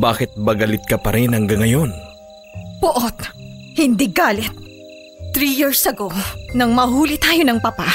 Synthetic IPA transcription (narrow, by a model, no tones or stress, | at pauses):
baːkɪt̪̚bɐɡɐlɪt̪̚kɐpɐɾɪnhɐŋɡɐŋɐjon | bʊʔot̪̚ | hɪnd̪iɡaːlɪt̪̚ː | ɾijiɹsɐɡonɐŋmɐɦuːlit̪aːjonɐŋpɐpa